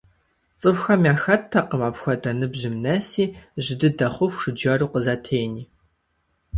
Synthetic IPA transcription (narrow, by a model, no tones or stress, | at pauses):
t͡sʼɨfxɐmʲjaːxɐtʰːɐqəmaːpxʷɐdɐnɨbʑɪmnɐsiːʑɪdɨdɐχʷʊxʷʂɨd͡ʒɐruːqəzatʰeːjniː